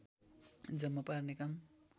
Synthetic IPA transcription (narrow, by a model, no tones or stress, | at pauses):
d͡zʌmːaparnekam